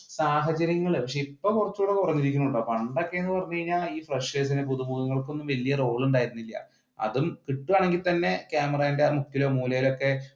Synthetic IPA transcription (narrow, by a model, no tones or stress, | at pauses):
saːɦɐt͡ɕɐɾjɐŋːɐɭpɐkʂeipːoːkurɐt͡ɕːuːɽekurɐɲːiɾik̬ʲːunːuɳɖɐpɐɳɖokːeenːɨpɐrɐɲːukɐɻiɲːaːiːfreʂʋeːs̬inep̬uðumuːɣɐŋːɐɭko̞nːumʋɐlijɐro̞ːɭuɳɖaːjiɾunːilːɐ̰ | ɐ̰ðumkiʈːuaːɳe̞ŋɡilt̪ɐnːe̞kjaːmɐraindeaːrmukːilo̞ːmuːlɐjilo̞kːe̞